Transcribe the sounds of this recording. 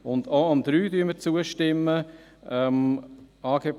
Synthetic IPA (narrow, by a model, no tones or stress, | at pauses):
ʊnd̪oːɑmd̪̥ɾyːdyəməɾt͡suəʃtɪmːə | ɛmɑːɡ̥eːp